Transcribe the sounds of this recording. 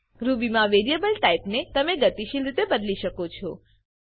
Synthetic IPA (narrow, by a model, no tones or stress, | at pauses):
ɾubimãʋeɾijebəlʈaipnet̪əmeɡət̪iʃilɾit̪ebəd̪liʃəkot͡ʃʰo